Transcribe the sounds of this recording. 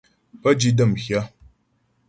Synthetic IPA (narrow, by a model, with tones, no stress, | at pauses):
pə˦d͡ʒi˦də˦˨mçja˦